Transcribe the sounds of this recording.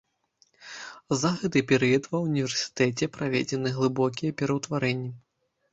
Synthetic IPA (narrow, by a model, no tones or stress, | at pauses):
zaɣɛt̪ɨpʲɛɾɨjɐt̪vɐunʲivʲɛrsʲi̥t̪ɛt͡sʲɛpɾavʲḛd͡zʲɛnɨɣlˠɨbɔkʲijɛpʲɛɾɐwt̪vaɾɛnʲːi